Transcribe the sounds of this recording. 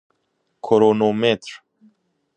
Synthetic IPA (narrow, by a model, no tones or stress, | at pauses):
kʰoɾonomet̪ɾ